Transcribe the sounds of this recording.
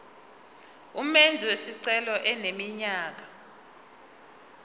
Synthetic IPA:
umend͡zʱiwesiǀɛlɔʔɛnemiɲaːk̬ḁ

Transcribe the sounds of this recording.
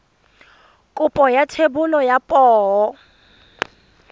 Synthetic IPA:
kʼupʼɔjatʰebulɔjapʼɔːɔ

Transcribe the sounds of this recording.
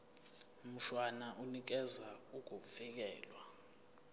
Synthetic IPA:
m̩ʃwanaʔunik̬ɛzauk̬ufik̬ɛːlwa

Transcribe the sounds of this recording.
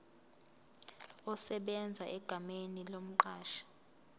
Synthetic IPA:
ɔsɛɓɛnd͡zʱaʔɛɡ̥ʱamenilom̩ǃaːʃḁ

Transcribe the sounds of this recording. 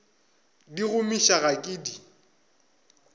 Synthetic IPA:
diɣʊmiʃaɣakʼɪːdi

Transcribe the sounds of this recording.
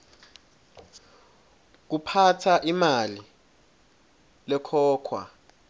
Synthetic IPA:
k̬upʰatʰaʔimali | lɛkʰɔːkʰwa̰

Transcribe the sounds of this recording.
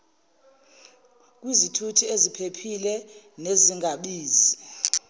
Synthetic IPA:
k̬ʼwizitʰutʰiezipʰepʰilɛ | neziŋɡʱaɓiːzi

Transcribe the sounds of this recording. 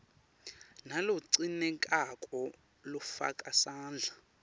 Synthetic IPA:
naluǀinɛkʼakʼɔ | lufa̰kʼasaːnd͡ɮʱa

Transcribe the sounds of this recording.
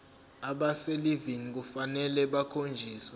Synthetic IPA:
aɓaseliviŋik̬ufanɛlɛɓakʰond͡ʒʱiːswɛ

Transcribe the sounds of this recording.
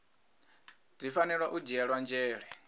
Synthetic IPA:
d͡zifanɛɺwaʔud͡ʒɛɺwand͡ʒɛːɺɛ

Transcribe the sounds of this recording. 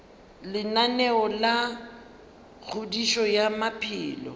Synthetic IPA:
lɪnanɛɔla | k͡xʰʊdiʃɔjamapʰɪːlɔ̰

